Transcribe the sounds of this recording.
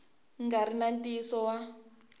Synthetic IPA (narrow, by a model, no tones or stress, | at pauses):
ŋɡaɾinantʼisɔwa